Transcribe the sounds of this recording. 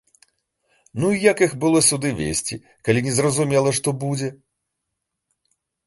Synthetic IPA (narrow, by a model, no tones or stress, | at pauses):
nuijakixbɨlˠɔsʲud̪ɨvʲḛsʲt͡sʲi | kalʲinʲɛzrɐzumʲɛlˠɐʂt̪ɔbud͡zʲɛ